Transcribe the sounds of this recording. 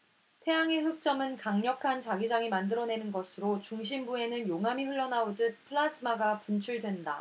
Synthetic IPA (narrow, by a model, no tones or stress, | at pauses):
tʰe̞jaŋe̞ɦɯk̚t͡ɕ͈ʌmɯnkaŋɲʌkʰant͡ɕaɡid͡ʑaŋimandɯɾʌne̞nɯnɡʌsʰɯɾot͡ɕuŋɕʰimbue̞nɯnjoŋɦamiɸɯɭːʌnaodɯt̚pʰɯɭas͈ʰɯmaɡapunt͡ɕʰuɭdwe̞nda̰